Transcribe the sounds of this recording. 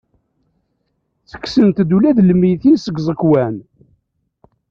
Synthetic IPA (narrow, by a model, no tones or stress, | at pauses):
θə̥kːsənt̪d̪ulæðləmːijθinsəɡzˤəkwæn